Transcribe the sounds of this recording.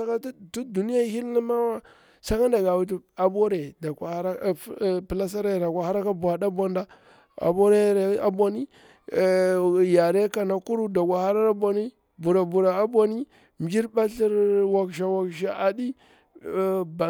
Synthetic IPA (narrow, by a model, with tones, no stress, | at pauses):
a˦ka˦tu˦du˨ni˦ja˦hi˦lni˦ma˦wa˦ | sa˦ka˦nda˨ɡa˨wi˨t̬u˨a˨bo˦ɾe˨da˨kʷa˨ha˦ɾa˦˨˦pi˨la˦s̬a˦ɾe˦˨ɾa˨kʷa˨ha˦ɾa˦ka˦bu˨a˨da˦bo˦nda˦ | a̰˨bo˦ɾe˦ɾe˨˦a˨bʷa˦ni˦˨ | ja˨ɾe˦ka˨na˨ku˦ɾu˦da˨kʷa˨ha˦ɾa˦ɾa˦bʷa˨ni˦ | bu˨ɾa˨bu˨ɾa˨a˦bʷa˦ni˦ | m˨d͡ʒi˦ɾba˦ɬi˦ɾwa˨kʃ̬a˨wa˨kʃa˨a˨di˦ | ba˨